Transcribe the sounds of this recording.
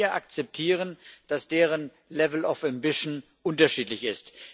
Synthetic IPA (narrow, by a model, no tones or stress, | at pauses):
ɐʔak̚t͡sɛp̚tʰiːʁənd̥asd̥eːʁən | lɛvl̩ɔfɛmbɪʃn̩ | ʔʊntɐʃiːtlɪçɪst